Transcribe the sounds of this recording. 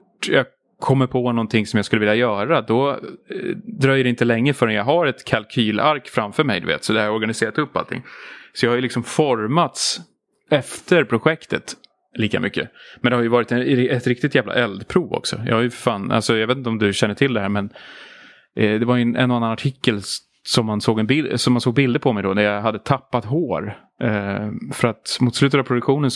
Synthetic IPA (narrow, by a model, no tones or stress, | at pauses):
ʈjɑɡ | kʰɔmːəɾpʰɔnɔnt̪ʰɪŋsɔmjaɡskɵlːvɪljajœːɾad̪ɔ | d̪ɾœjːd̪ɛɪnt̪əlɛŋːəfœːɾɛnjaɡɦaɾɛt̪kʰalkʰyːlaɾkfɾamfœɾmɛ̰jd̪ɵ̰vḛːt̪sɔd̪ɛhaɾjɔɾɡanɪseːɾat̪ɵpːa̰lt̪ʰɪ̰ŋːsɔjɑhajʏlɪksɔmfɔɾmat̪s | ɛft̪əɾpʰɾʊɧɛkt̪ət̪ | liːka̰mʏkːə̰mɛnd̪ɛhaɾjɵvɑːɾɪt̪ɛt̪ɾɪk̚t̪ɪt̪jæːvla̰ʔɛld̪pʰɾuːvɔ̰ksɔ̰jɑ̰haɾjɵfœɾfaːna̰lsɔjɑaveːt̪ɪt̪ɔmd̪ɵɕɛnːəʈʰɪld̪ɛɦæːɾmɛn | d̪ɛvaɾjɵɛnʔɛ̰nɔanːanaʈʰɪkːəl | sɔmːansoːɡɛnbɪsɔmhansoːɡ̚bɪld̪əpʰɔmɛjd̪ɔnæɾjaɦad̪ːət̪ʰapːat̪ɦoːɾ | fœɾat̪muːt̪slʉ̟ːt̪ət̪avpʰɾʊd̪ɵkɧuːnən